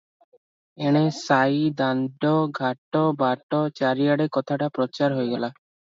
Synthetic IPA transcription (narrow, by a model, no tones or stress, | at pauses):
eɽ̃esajd̪anɖɔɡʱaʈɔbaʈɔt͡ʃaɾijaɽekɔt̪ʰaʈapɾɔt͡ʃaɾɦojɡɛla